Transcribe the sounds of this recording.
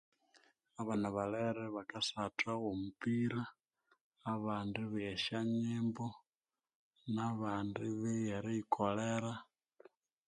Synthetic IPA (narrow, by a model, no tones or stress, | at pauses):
aβanaβaleɾeβakasatʰaomupiɾaː | βaːndiβjeʃaɲimbo | naβaːndiβejeɾiikʰoleɾa